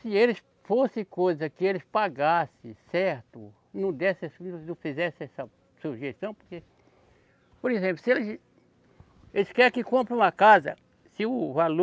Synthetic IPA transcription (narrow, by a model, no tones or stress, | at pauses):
sɪelɪs | fosɪ̃kojzɐkɪelɪspaɡasɪ̰sɛɾt̪ʊ | nɐ̃w̃d̪ɛsɛsnɐ̃fizɛsɪɛsɐ | suʒest̪ɐ̃w̃poɾke | poɾezẽp̬lʊsɪelɪs | elɪskɛɾkɪkõmpɾ̃ũmɐkazɐ̰ | sɪʊvalo